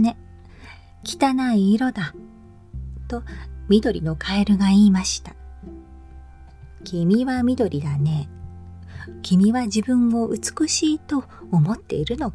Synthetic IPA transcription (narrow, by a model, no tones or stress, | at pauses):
ne̞ | kʲi̥t̪anaiːɾo̞d̪a | t̪o̞mʲid̪o̞ɾʲḭno̞kʰaeɾɯ̟ɡaiːmaɕi̥t̪ḁ | kʲimʲiβamʲid̪o̞ɾʲid̪ane̞ | kʲimʲiβaʑibɯ̟̃ŋo̞ʔɯ̟t͡sɨ̥kɯ̟ɕiːt̪o̞ː | mo̞t̪ːe̞̰iɾɯ̟no̞